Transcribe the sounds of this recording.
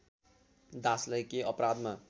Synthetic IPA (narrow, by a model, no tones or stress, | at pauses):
d̪ãslʌjkeʔʌpɾad̪ma